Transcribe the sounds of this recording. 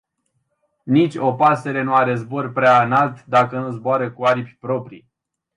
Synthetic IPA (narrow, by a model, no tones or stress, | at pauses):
nit͡ʃʲo̞pase̞ɾe̞nuaɾe̞zbo̞rʲpɾeaɨnalt̪d̪akənuzboaɾəkuaɾipʲpɾo̞pɾi